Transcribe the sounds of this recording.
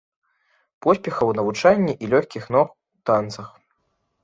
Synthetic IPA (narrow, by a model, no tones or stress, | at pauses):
pɔsʲpʲɛxɐwnɐvut͡ʂanʲːiʔilʲɔxʲkʲixnɔx | ut̪ant̪sɐx